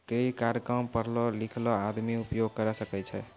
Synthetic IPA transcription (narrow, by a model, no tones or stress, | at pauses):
kɾeikaɾjəkɾəmpəɾlɔlikʰlɔad̪miupjoɡ̚kəɾɛsəkɛt͡ʃʰɛ